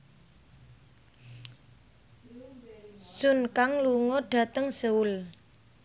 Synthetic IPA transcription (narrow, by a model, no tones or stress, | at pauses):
sʊnkaŋluŋɔɖ̥a̤t̪əŋsəʊl